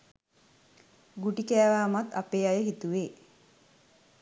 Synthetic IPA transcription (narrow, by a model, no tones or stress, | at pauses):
ɡuʈikæːʋaːmat̪apeːajəɦit̪uʋeː